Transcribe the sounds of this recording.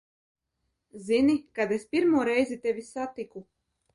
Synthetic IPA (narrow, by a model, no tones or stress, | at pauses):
zinikad̪espʲiɾmuːɾɛjzʲit̪ʲevʲisat̪iku